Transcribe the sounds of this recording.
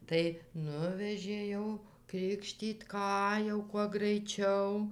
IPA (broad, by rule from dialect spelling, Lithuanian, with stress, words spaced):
tɐɪ ˈnʊʋʲɛʒʲeː ˈjɛʊ ˈkrʲɪkʃʲtʲiːt ˈkɑː jɛʊ kuɔ ɡrɐɪˈt͡ʃʲɛʊ